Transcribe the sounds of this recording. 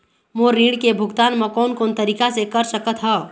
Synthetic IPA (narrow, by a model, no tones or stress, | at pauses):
moɾiːɽkebʱʊɡt̪aːnməkɔːnkoːnt̪əɾiːkasekəɾsəkət̪ɦə